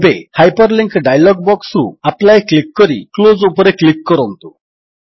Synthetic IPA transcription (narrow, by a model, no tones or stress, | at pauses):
behajpəɾliŋkɖajlɔɡ̚bɔksɾṵaplajklikːɔɾḭklod͡zupɾeklikːɔɾɔnt̪u